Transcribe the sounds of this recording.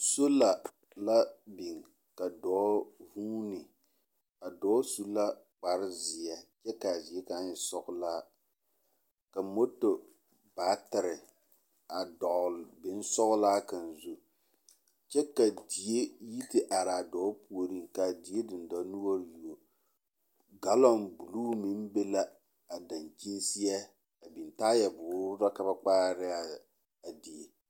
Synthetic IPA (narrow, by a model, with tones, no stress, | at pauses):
so˦la˨ | la˦bi˨ŋ | ka˨dɔː˨˦vuː˦nɪ˨ | a˨dɔː˦su˦la˦ | k͡pa˨ɾɪ˦zɪ˨ja˨t͡ʃɛ˦ka˨zi˨e˦ka˨˦ɲɪ˨sɔ˦kʊ˦laː˦ | ka˨mo˦to˨ | baː˨˦tɪ˨ɾɪ˨ | a˨dɔ˨ʔlbɪ˨n˦sɔ˦ɣʊ˦laː˦ka˨n˨zu˦ | t͡ʃɛ˦ka˨di˨e˦ji˦tɪ˦ʔa˨ɾaː˨dɔː˨˦pu˦o˨ɾi˦ŋka˨di˨˦e˦dɪ˨n˨dɔ˨˦nu˦o˦ɾju˨o˨ | ɡa˦lɔ˦˨nbu˨luː˦mi˦nbe˦la˦ | a˨da˨nd͡ʒi˦n˦si˦a˦ | a˨bi˨n˨taː˦jɛ˨bʊː˨˦ɾʊ˦ɾa˦ka˦ba˦k͡paː˦ɾɪ˦a˨ | a˨di˨e˨